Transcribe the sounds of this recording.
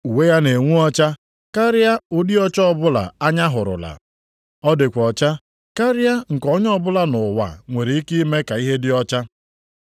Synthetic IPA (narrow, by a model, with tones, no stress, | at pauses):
u˨we˦ja˦ne˨ŋʷu˦ɔ˦t͡ʃa˦ | ka˦ɾɪ˦ja˦ʊ˦di˦ɔ˦t͡ʃɔ˦ɔ˦bʊ˦la̰˨a˦ɲa˦ɦʊ˨ɾʊ̰˨la̰˨ | ɔ˦dɪ˨kʷɔ˨t͡ʃa˦ | ka˦ɾɪ˦ja˦ŋ̩˨kɔ˦ɲ˦ɔ˦bʊ˦la˦nʊ˨wa̰˨ŋʷe˨ɾi˨i˦ki˦i˦me˦ka˨i˦ɦe˦dɪ˦ɔ˦t͡ʃa˦